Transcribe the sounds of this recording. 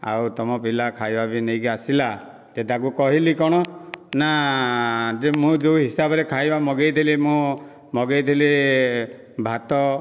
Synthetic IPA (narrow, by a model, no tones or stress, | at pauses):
a̰wt̪ɔmɔpilakʰajbabinejkiasila | t̪et̪ʰak̬ukɔɦilikɔɽ̃ɔna | d͡ʒemũd͡ʒewɦisabɔɾekʰajbamɔɡejt̪ʰilimũ | mɔɡejt̪ʰili | bʱat̪ɔ